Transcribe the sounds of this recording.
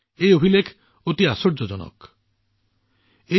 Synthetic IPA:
ejobʱilekʰ | ot̪iasoɾd͡ʑod͡ʑɔno̰k | e

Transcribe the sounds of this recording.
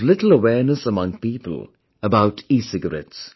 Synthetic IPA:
lɪtl̩ˠəwɛːnəsəmʌ̃ŋpiːpə̰l̩ˠ | əbaʊtʰisɪɡəɹɛ̰ts

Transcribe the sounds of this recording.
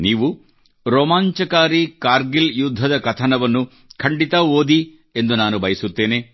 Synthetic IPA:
niːʋu | ɾoːmaːɲt͡ʃɐkaːɾikaːɾɡiljud̪ʱːɐd̪ɐkɐt̪ʰɐnɐʋɐnːu | kʰɐɳɖit̪ɐoːd̪i | e̞nd̪unaːnubʱɐjisut̪ːeːne

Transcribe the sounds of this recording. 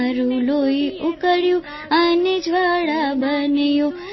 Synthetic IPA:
ɾũloiukəɽjũ | aned͡ʒʱʋaɽabənəjo

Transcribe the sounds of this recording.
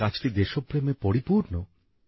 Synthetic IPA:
at͡ɕʰʈ̪id̪eʃopːɾemepoɾipuɾno

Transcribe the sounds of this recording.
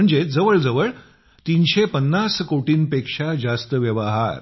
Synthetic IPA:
əɳd͡zed͡zəʋəɭd͡zəʋəɭ | t̪inɕepənːaskoʈiːnpekʂad͡zast̪əʋjəʋaɦa̰ɾ

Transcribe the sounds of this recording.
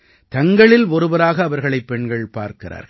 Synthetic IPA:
t̪ɐŋɡɐɭɪlɔɾɯbɐɾaːɣɐːʋɐɾɣɐɭɐɪpːɛɳɡɐɭpa̰ːɾkɪra̰ːɾɣɐ

